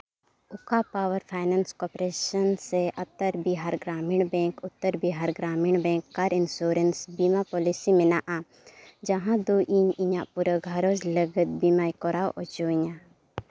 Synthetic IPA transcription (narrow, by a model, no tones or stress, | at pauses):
ʊkapaːwəɾpʰaːɪnaːnskɔːpɾeːʃənseɐt̪ːəɾbiɦaːɾɡɾaːmiɳbɛ̃ːŋkʊt̪ːəɾbiɦaːɾɡɾaːmiɳbɛ̃ːŋkːaɾɪnsoːɾənsbiːmapɔːlisimenaʔã | d͡ʒɐɦãd̪oːʔiɲiɲãpuɾəɡʱɐɾoːzləɡət̪̚biːmaːikɔɾaːwʔɔd͡ʒoːĩɲã